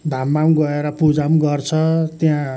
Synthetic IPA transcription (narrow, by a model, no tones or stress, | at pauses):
d̪ʱamːaw̃ɡʌeɾʌpud͡zamɡʌrt͡sʰʌt̪jã